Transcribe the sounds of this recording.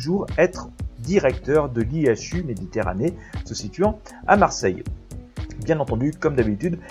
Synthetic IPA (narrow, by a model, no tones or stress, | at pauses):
ʒuʁɛt̪χd̪iʁɛk̚t̪œʁd̪əliaʃymed̪it̪eʁa̰nesəsit̪ɥɑ̃amaʁsɛj | bjɛ̃nɑ̃t̪ɑ̃d̪ykɔmd̪abit̪yd̪